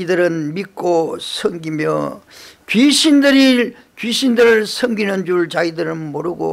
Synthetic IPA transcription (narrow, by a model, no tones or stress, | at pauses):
idɯɾɯnmik͈osʰʌŋɡimjʌ̰t͡ɕɥiɕʰindɯɾi | kɥiɕʰindɯɾɯɭsʰʌŋɡinɯnd͡ʑuɭt͡ɕaidɯɾɯnmoɾɯɡo̰